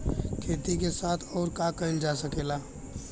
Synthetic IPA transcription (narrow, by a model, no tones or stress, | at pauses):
kʰeːt̪ik̬esaːt̪ʰɔːɾkakəɪnd͡ʒasəkeːlaː